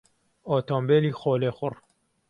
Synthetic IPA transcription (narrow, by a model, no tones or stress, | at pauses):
oːt̪ʰoːmbeːliːxoːlexʊr